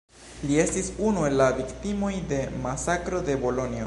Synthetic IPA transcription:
lie̞stisunue̞lːaviktimo̞jde̞masakɾo̞de̞bo̞lo̞nio

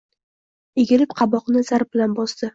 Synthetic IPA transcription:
eɡʲɪlɪpqʰɑbɒqnɪzaɾ̚bɪlanbɒsd̪ɪ

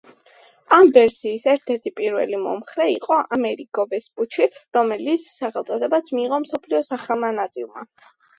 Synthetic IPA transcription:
amvɛɾsiːsɛɾt̪ʰɛɾt̪ʰipʼiɾvɛ̰limɔ̰mχɾɛiqʼɔʔamɛɾikʼɔvɛsput͡ʃʰiɾɔmɛlit̪sʰsaχɛlˠt̪sʼɔd̪ɛbat̪sʰmiːʁɔmsɔpʰliɔsaχɛlˠmanat̪sʼilˠma̰

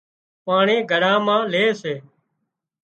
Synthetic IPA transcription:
paːɳẽːɡʱəɽãːmãːleːseː

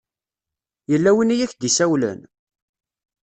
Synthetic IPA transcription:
jəlːæwinijæçd̪isæwlæ̰n

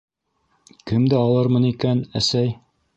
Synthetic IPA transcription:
kɘmd̪æɑlˠɤɾmɤnikænæsæj

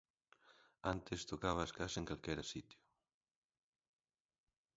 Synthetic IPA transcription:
ant̪est̪okaβ̞ɐːskaseŋkalkɛɾasit̪jʊ

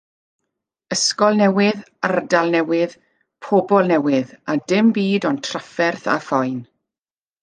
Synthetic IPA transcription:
əskɔlˠnɛwɨðardalˠnɛwɪð | pʰɔbɔlˠnɛwɨðadɪmbiːdɔntʰr̥afɛrθa̰fɔjn

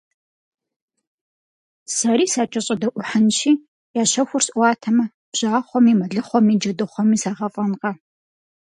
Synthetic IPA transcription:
sɐɾiːsaːt͡ʃʼɐɕʼɐdɐʔʷʊħənʃiː | jaːɕɐxʷʊrsʔʷɑːtʰɐmɐ | b̥ʑ̥aːχʷɔmiːmɐɮɨχʷɔmiːd͡ʒɐdɨχʷɔmiːsaːʁɐfʼɐnqɐ

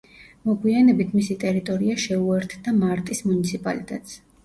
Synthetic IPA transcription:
mɔɡwianɛbit̪ʰmisit̪ʼɛɾit̪ʼɔɾiaʃɛuɛɾt̪ʰd̪amaɾt̪ʼismunit̪sʰipʼa̰lit̪ʼɛt̪ʼs

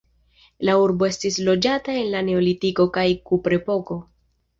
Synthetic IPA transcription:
lauɾbo̞e̞stislo̞d͡ʒatae̞nlane̞o̞litiko̞kajkupɾe̞po̞ko̞

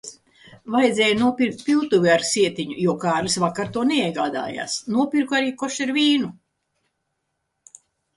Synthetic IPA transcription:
vajd̪zʲɛːjunuɔpʲiɾk̚t̪̚ʲpʲilt̪uviaɾsiɛt̪iɲujuɔkaːɾlisvakaɾt̪uɔneiɛɡaːd̪a̰ːja̰ːsnuɔpʲiɾkuaɾiːkɔʃiɾviːnu

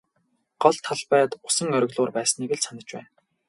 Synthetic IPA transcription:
ɢ̥ɔɮt̪ʰːaɮpæːt̪ʊ̥sə̆ŋœɾʲɵ̆ɣɮʊːrpæːsniːɡɘ̆ɮsanə̆t͡ɕpæ̰ːn

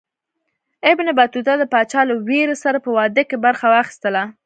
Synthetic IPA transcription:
ɪbnebat̪ut̪ad̪əpɑt͡ʃɑləweɾesaɾapəwɑd̪əkebaɾxawɑxi̥st̪əla

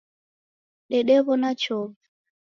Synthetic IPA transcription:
ɗɛɗɛβɔnat͡ʃɔv

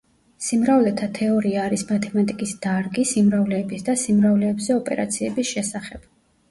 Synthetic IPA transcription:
simɾavlɛt̪ʰat̪ʰɛɔɾiaːɾismat̪ʰɛmat̪ʼikʼisd̪̥aɾɡisimɾavlɛːbisd̪asimɾavlɛːbzɛɔpʼɛ̰ɾa̰t̪sʰiɛbisʃɛsaχɛb̥

